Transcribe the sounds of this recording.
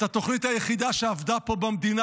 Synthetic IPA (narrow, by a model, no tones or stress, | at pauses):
tat̪o̞χnit̪hajeχid̪aʃeavd̪apo̞bamd̪ina